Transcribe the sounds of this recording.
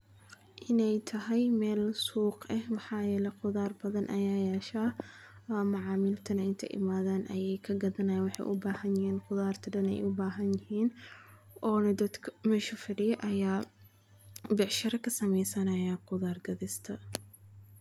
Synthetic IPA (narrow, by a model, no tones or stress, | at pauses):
ʔɪnɛjt̪ʰɐɦɛjmɛːlsuːqɐhmɑħɑːjɛːlɛqʊðaːrbɐðɐnʔɐ̰jaːjɛːʃaː | mʊʕɑːmɪlt̪ʰɐnɐɪnt̪ʰɐ̰ʔɪ̰maːðaːnʔɐ̰jɛjkʰɐɡɐðɐnɐjɐnwɑħɑ̰jʔʊ̰baːhɐnjɪhiːnqʊðaːrt̪ʰɐdɐnɛ̰jʔʊbaːɦɐnjɪhiːn | ʔɔːnɐd̪ɐd̪kʰmɛʃʊfɪɽɪjʔɐjaː | bɛʕʃɐɾɐkʰɐsɐmɛjsɐnɐjaːqʊðaːrɡɐðɪst̪ʰɐ